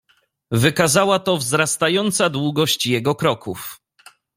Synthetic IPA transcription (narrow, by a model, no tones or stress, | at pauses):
vɘkazawat̪ɔvzɾast̪ajɔnt̪sad̪wuɡɔɕt͡ɕjɛɡɔkɾɔkʰuf